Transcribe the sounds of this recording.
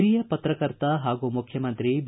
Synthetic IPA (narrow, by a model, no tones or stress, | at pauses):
ɾijɐpɐt̪ɾɐkɐɾt̪ɐɦaːɡumukʰjɐmɐnt̪ɾib